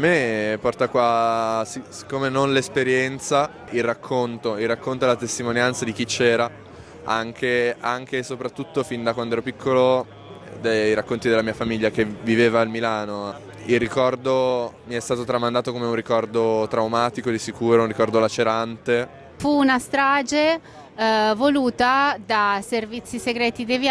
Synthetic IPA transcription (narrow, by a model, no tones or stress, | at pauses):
amːepɔrt̪akwasisi̥kːoːmenonlespeɾjɛnt̪sa | ilrakʰːont̪oilrːakːont̪oelat̪est̪imonjant̪sad̪ik̟it͡ʃːɛːɾa | aŋkʰeaŋk̟esopɾat̪ːut̪ːofind̪akwand̪oɛɾopikʰːolo | d̪ejɾakːont̪id̪elamiːafamiʎːakeviveːvaːlmilaːno | ilrːikɔrd̪omiɛst̪aːt̪ot̪ɾamand̪aːt̪okomeunrːikɔrd̪ot̪ɾawmaːt̪ikod̪isikuːɾounrikɔrd̪olat͡ʃeɾant̪e | fuːnast̪ɾaːd͡ʒe | voluːt̪ad̪aservit̪sːiseɡɾɛːt̪id̪evi